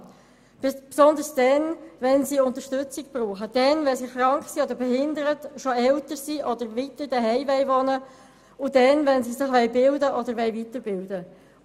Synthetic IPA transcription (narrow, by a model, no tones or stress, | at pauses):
b̥psɔnd̪əɾsd̥ɛnvɛnsiʊntəɾʃtɵt͡sɪk̚b̥ruːχəd̥ɛnvɛnsiχɾɑŋkχsiɔdəɾbɛɦɪnd̪əɾətʃɔɛltəɾsiːʔɔdəɾvitəɾd̥̪ɛɦɛɪvɛɪʋɔnə | ʊd̥ɛnvɛnsisɪχʋɛɪbɪldəʔɔd̪əɾʋɛɪvitəɾbɪldə